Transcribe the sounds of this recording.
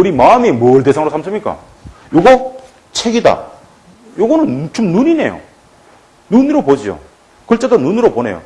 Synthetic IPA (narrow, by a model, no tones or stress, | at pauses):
uɾimaɯmimʌɭte̞sʰaŋɾosʰams̬ʰɯmɲik͈a̰ | joɡʌ | t͡ɕʰeɡida̰ | joɡʌnɯnt͡ɕomnuɲine̞̰jo̰ | nuniɾopod͡ʑio̰ | kɯɭt͡ɕ͈adonunɯɾopone̞̰jo̰